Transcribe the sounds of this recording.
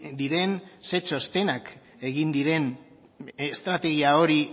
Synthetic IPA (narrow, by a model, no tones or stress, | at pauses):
d̪iɾe̞nse̞t͡ʃo̞st̪e̞nak | e̞ɣind̪iɾe̞n | est̪ɾat̪e̞ɣ̞iao̞ɾi